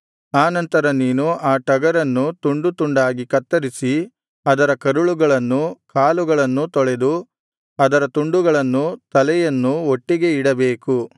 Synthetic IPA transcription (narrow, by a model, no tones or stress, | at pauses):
aːnɐnt̪ɐɾɐniːnuaːʈɐɡɐɾɐnːut̪uɳɖut̪uɳɖaːɡikɐt̪ːɐɾisi | ɐd̪ɐɾɐkɐɾuɭuɡɐɭɐnːukaːluɡɐɭɐnːut̪ɔɭed̪u | ɐd̪ɐɾɐt̪uɳɖuɡɐɭɐnːut̪ɐlɛjɐnːuoʈːiɡe̞iɽɐbe̞ːku